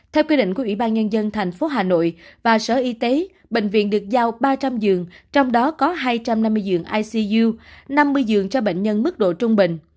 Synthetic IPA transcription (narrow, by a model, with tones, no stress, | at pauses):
t̪ʰɛ˧wkwi˧ɗḭ̈˧˨ŋ̟ku˧˩wi˧˩ɓaː˧nɲə˧nzə˧nt̪ʰɛ˨˩jŋ̟fo˨˦ɦaː˨˩no̰˧˨jvaː˨˩səː˧˩ʔi˧t̪e˨˦ | ɓḛ˧˨ŋ̟vḭ˧˨ənɗɨ˨˩ək̚zaː˧wɓaː˧t͡ɕa˧mzɨ˨˩əŋt͡ɕɔ˧wŋ͡mɗɔ˨˦kɔ˨˦ɦaː˧jt͡ɕa˧mna˧mːɨ˧jzɨ˨˩əŋʔaː˧jsi˧zu˧na˧mːɨ˧əjzɨ˨˩əŋt͡ɕɔ˧ɓḛ˧˨ŋ̟ɲə˧nmɨ˦˥k̚ɗo̰˧˨t͡ɕʊ˧ŋ͡mɓḭ̈˧˨ŋ̟